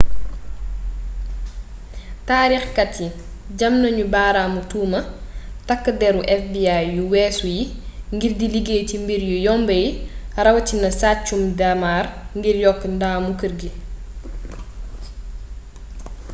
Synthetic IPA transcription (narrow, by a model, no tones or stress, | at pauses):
taːɾixkɐtːi | ɟɐmnɐɲubaːɾaːmutuːmɐtɐkːədɛɾuʔɛfbiajːuwɛːsujiŋɡirdiliɡeːcimbiɾjujɔmbəjirɐwcinɐsaːt͡ʃːumdamaːrŋɡirjɔkːndaːmukəɾɡi